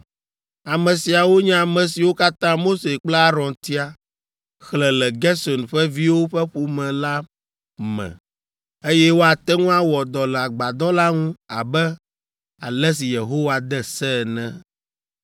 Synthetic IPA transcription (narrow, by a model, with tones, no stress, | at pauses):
a˨mɛ̃˨si˨a˨wo˦ɲɛ̃˦a˨mɛ̃˨si˨wo˦ka˦t̪ã˦mo˦se˨k͡plɛ˦a˦ɾɔ̃˨nt̪i˦a˨ | xlɛ˨lɛ˨ɡɛ˦sɔ˨nɸɛ˦vi˦wo˦ɸɛ˦ɸu˦mɛ̃˨la˦ | mɛ̰̃˨ | e˦jɛ˦wo˦a˨t̪ɛ˦ŋũ˦a˦wɔ˨d̪ɔ˨lɛ˨a˨ɡ͡ba˨d̪ɔ˦la˦ŋũ˦a˨bɛ˦ | a̰˨lɛ˦s̬i˨je˨ɦo˦wa˨d̪ɛ˦sɛ˦˨nɛ̃˦